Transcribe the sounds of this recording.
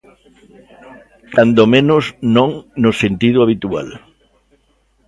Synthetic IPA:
kand̪omẽnʊsnõŋnosent̪ið̞ʊaβ̞it̪ua̰l

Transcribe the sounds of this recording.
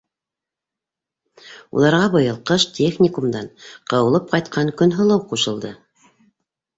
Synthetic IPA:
ṵlˠɑɾʁɑbɤ̆jɤ̆lˠqɤʃtʲʰexnʲɪkumd̪ɑnqɤ̆wɤ̆lˠɤp̚qɑjt̪̚qʰɑŋkɵ̆nɦɤ̆lˠɤwquʃɤ̆lˠd̪ɤ

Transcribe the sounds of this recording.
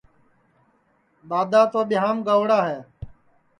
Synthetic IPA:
ɓaːd̪aːt̪oːɓɪɦaːmɡaːʋɽaːɦɛː

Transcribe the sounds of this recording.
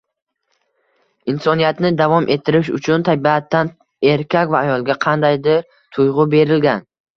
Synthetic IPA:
ɪnsɒnijat̪nɪd̪avɒmʔe̞t̪ʰːɪɾɪʃʊ̰t͡ʃʰʊnt̪ʰabiat̪ʰːan | e̞ɾkʲʰakʲvaːjɒlˠɡʲaqʰɑnd̪ajd̪ɪɾ | t̪ʰʊjʁʊbe̞ɾɪlɡʲan

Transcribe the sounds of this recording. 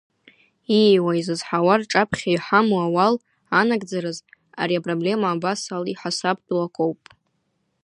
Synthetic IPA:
iwaizɨzħawarʈ͡ʂʼapʰχʲajħamuawal | anaɡʼd͡zaɾɨz | a̰ɾiapʼroble̞maːbasaliħasap̚ʰʼdlakʷʼowpʼ

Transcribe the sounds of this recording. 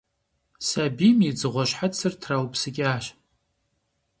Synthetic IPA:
sabimid͡zɨʁʷaʃħat͡sʰɨrtʰrawpʼsɨkʲʼaːʃ

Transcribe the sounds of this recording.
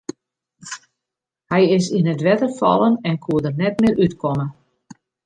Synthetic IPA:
hɛjɪsinətʋɛtərfɑ̰lˠənɛnkʰuədənɛt̚mɪɾytkʰɔmə

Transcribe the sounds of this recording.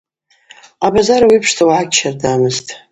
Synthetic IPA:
abazaɾawipʰʂtʰawʕakʰʲʼʃardamɨztʼ

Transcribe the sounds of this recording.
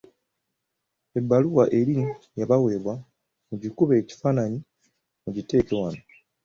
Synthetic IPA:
e̞bːaluwaʔe̞ɾinjaβawe̞ːβwa | muɟikuβe̞ːci̥faːnaɲi | muɟite̞ːkewano

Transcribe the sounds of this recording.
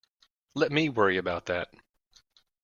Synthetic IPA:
lɛt̚miwɜ˞iɨbaʊt̪̚ðæt̚

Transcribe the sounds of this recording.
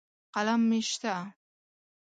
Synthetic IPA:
qalamːeʃt̪a

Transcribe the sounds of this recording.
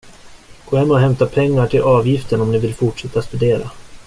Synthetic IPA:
ɡ̥oːhɛmːɛɔɦɛmt̪apʰɛŋːaʈʰɪlʔɑːvjɪft̪ənɔmnɪvɪlfʊʈʂɛt̪ːast̪ɵd̪eːɾa̰

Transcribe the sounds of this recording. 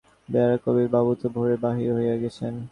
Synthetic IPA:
bɛaɾakobiɾbabut̪obʱoɾebaɦiɾɦojeɡɛt͡ɕʰen

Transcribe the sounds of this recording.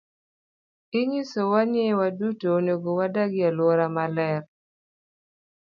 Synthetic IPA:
ɪɲisowaɲɪwadutonoɡowadaɡɪalwoɾamalɛɾ

